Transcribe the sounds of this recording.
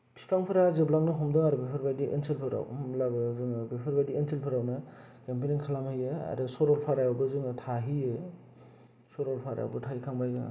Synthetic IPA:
pʰi̥spaŋpʰɯɾazɯblaŋnɯɦɔmdɯŋaɾɯbepʰɯɾbajdiʔḛnselpʰɯɾa̰wmlabɯzɯŋbepʰɯɾbajdienselpʰɯɾawnɯ | kempeniŋkʰalamhɯjɯa̰ɾɯsɔɾɔlpʰaɾajawbɯzɯŋɯtʰaɦiɯ | sɔɾɔlpʰaɾa̰wbɯtʰajkʰaŋbajdɯŋ̰

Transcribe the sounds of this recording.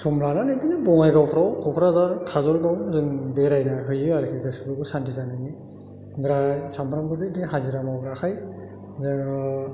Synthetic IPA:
sɔmlananajdinɯbɔŋajɡawpʰɾawkʰɔwpʰɾazaɾkʰazɔlɡawzɯŋbeɾajnaɦɯjɯaɾkʰiɡɯsɯbɯɡɯsantʰizanɯni | ɡɾasampʰɾamɡɯdidiɦaziɾamawɡɾakʰaj | zɯ

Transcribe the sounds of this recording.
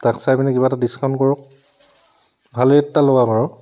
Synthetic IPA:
taksajpinikibatadiskʰaʊ̃nkɔɹɔk̚ | bʱaleɛtːalowakɔɹɔ

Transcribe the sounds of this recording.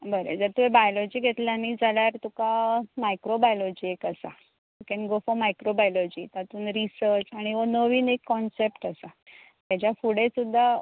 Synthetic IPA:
bəɾḛd͡zəɾt̪uɦebajlɔd͡ʑiːɡʱet̪lanid͡zʱaljaɾt̪ukamajkɾobajlɔd͡ʑiːekəsa̰ | t̪ukɛnɡofɔmajkɾobajlɔd͡ʑit̪at̪uːnɾisəɾt͡ɕaɽ̃iʋənəʋiːnekːɔnsepʈasa | t̪jat͡ɕjafuɽesud̪ʱːa

